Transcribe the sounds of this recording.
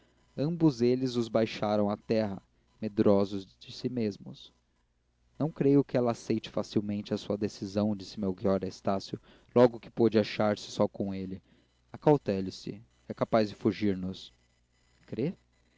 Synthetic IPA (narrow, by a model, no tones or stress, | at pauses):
ɐ̃mbʊzelɪzʊzbajʃaɾɐ̃w̃at̪ɛɦɐ | med̪ɾɔzʊzd͡ʒɪsimezmʊs | nɐ̃w̃kɾejʊkɪɛlɐːsejt͡ʃɪ̥fasiwmẽnt͡ʃɪɐsuɐd̪esizɐ̃w̃d͡ʒisɪmewɡiɔɾɐest̪asjʊ | lɔɡʊkɪ̥pod͡ʒɪaʃaɾsɪ̥sɔkõw̃elɪ | akawt̪ɛlɪsɪ̰ | ɛkapazd͡ʒɪfuʒiɾnʊs | kɾe